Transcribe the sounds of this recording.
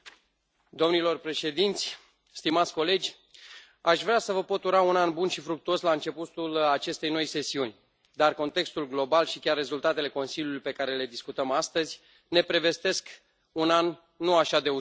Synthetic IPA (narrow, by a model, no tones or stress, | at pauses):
d̪o̞mnilo̞rpɾe̞ʃe̞d̪int̪sʲ | st̪imat̪sʲko̞le̞d͡ʒʲ | aʃvɾeasəvəpo̞t̪uɾaunanbunʃifɾuk̚t̪uo̞slaɨnt͡ʃe̞put̪ulat͡ʃe̞st̪e̞jno̞jse̞siunʲ | d̪arko̞nt̪e̞kst̪ulɡlo̞balʃikʲarːe̞zult̪at̪e̞le̞ko̞nsiljulujpe̞kaɾe̞le̞d̪iskut̪əmast̪əzʲ | ne̞pɾe̞ve̞st̪e̞sk | unanː | uaʃad̪e̞u